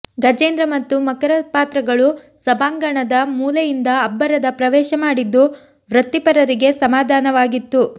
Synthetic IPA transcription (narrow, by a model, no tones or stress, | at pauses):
ɡɐd͡ʒeːnd̪ɾɐmɐt̪ːumɐkɐɾɐpaːt̪ɾɐɡɐɭu | sɐbaːŋɡɐɳɐd̪ɐmuːlɐjind̪ɐːbːɐɾɐd̪ɐpɾɐʋɛːʃɐmaːɽid̪ːu | ʋɾɐt̪ːipɐɾɐɾiɡe̞sɐmaːd̪ʱaːnɐʋaːɡit̪ːu